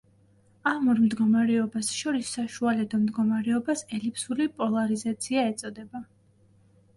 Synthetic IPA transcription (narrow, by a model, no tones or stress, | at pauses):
amɔɾmd̪ɡɔmaɾɛɔbasʃɔɾisːaʃualɛd̪ɔmd̪ɡɔmaɾɛɔbasɛlipʰsulipʼɔlˠaɾizat̪sʰiaɛt̪sʼɔd̪ɛba